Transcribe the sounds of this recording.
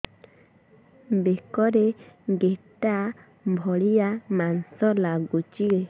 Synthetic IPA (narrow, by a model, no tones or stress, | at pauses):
mbekɔɾeɡeta | mbʱɔliamansɔlaɡut͡ʃiɡe